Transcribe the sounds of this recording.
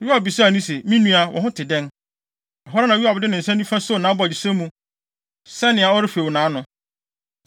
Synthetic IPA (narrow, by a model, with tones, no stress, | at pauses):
wɥi˦a˨bbi˨sa˦a˨nũ˦se˨mĩ˦nũ˦a˨wʔɔ̰̃˨ɦʊ̃˦tʰɪ˨dɛ̃˦n | a˨ɦɔ˦ɾa˦nã˨wi˦a˨bdɪ˦nɪ̃˨n̩˨sɛ̃˦nĩ˦fã˦so˦˨nã˨˦bɔ˦˨a˨d͡ʑi˨sɛ̃˦mũ˦ | sɛ˦nɪ̃˨a˨ɔ˦ɾɪ˦fe˨wʊ˨nãː˨˦nʊ̃˨